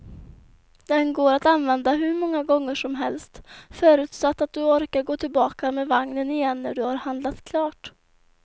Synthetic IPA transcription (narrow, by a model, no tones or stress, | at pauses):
d̪̥ɛnɡoːɾat̪anvɛnd̪aɦɵɾmɔŋːaɡɔŋːəʂɔmɦɛlst̪fœːɾʉ̟ːt̪sat̪ːat̪̚d̪ɵɔɾkaɾɡoːt̪ʰɪlbɑːkameːvaŋnənɪjɛnːæɖɵhaɾhand̪lat̪kʰlɑːʈ